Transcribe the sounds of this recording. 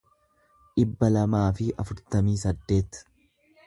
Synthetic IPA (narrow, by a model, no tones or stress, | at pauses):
ʔɪbːɐlɐmaːfɪʔɐfʊɾt̪ɐmiːs̬ɐd̪ːe̞ːt̪